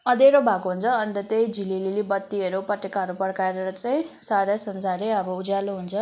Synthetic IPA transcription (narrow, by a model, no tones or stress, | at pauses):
ʌd̪eɾobʱakoɦunt͡sʰʌːnid̪ʌt̪ejd͡zʱilililibʌt̪ːiʌɾupʌʈːekaɦʌɾupʌɽkaeɾʌɾʌt͡saj̃ | saɾasʌmd͡zʱaɾeʌbʌud͡zaluɦunt͡sʰʌ